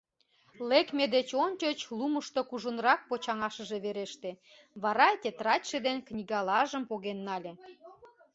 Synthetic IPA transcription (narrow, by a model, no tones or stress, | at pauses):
lekmed̪et͡ɕonʲt͡ɕot͡ɕluməʃt̪okuʒənɾɑk̚pot͡ɕɑŋɑʃə̆ʒe̽βeɾeʃt̪e | βɑɾɑet̪ʲet̪ɾɑtʲʃed̪enknʲiɣɑlɑʒəmpoɣenːɑlʲĕ